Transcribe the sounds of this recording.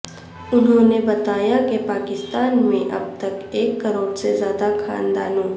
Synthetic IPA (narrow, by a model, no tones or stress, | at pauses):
ʊnɦõːnebɐt̪aːjakepaːkɪst̪aːnmẽʔɐ̰b̚t̪ɐkeːkːɐɾoːɽsezjaːd̪akʰa̰ːnd̪aːnõː